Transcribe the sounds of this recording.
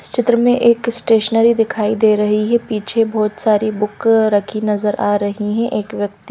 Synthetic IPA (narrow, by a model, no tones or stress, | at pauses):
st͡ʃɪt̪ɾəmẽʔeːksʈeːʃnəːɾid̪ɪkʰaːid̪eːɾɐɦiɦɛpiːt͡ʃʰebɔːt̪saːɾibʊkɾɐkʰinɐzəɾaːɾɐɦiɦɛ̃ʔeːkʋjɐk̚t̪i̥